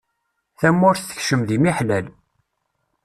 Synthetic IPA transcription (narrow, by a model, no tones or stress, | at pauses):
θæmːʊɾθθə̥çʃəmðimiħlæl